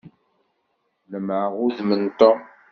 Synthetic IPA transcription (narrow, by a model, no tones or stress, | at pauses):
ləmʕəʁʊðmənt̪o